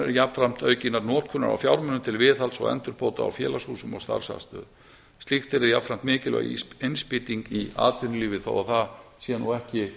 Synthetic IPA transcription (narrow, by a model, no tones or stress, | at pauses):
ɛɾjapfɾam̥t̪œːɥcinaɾnɔːt̪̚kʰʏna̰ɾa̰wfjawɾmʏnːʏmt̪ʰɪlvɪːθalsɔ̰ɣɛ̰nt̪ʏɾpʰoːwt̪aa̰wfjɛ̰ːlashuːsʏmɔ̰ɣst̪a̰ɾ̥sa̰st̪œ̰ːð | st̪ixt̪ɛɾɪðjapfɾam̥t̪mɪːcɪlɛ̰aejnspɪt̪iŋkia̰ːt̪vɪnʏliːvɪθa̰waθasiːanːuɣɛhcɪ